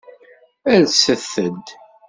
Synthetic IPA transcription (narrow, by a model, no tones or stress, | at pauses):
æðsəθəd̪